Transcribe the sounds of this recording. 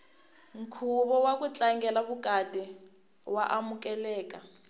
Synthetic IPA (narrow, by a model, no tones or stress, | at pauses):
ŋ̩kʰuβɔwakut͡ɬʼaŋɡɛlaβukʼadɛ | waʔamukʼɛlɛːkʼa